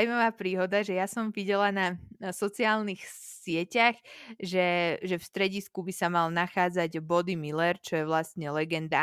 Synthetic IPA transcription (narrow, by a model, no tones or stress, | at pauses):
wmaʋaːpɾiːɦɔd̪aʒɛjasɔmʋiɟɛlanasɔt͡siaːlnixsɪɛcaxʒɛʒɛfst̪ɾɛɟiskubisamalnaxaːd͡zaɟbɔd̪imilɛɾt͡ʃɔjɛʋlast̪ɲɛlɛɡɛnd̪a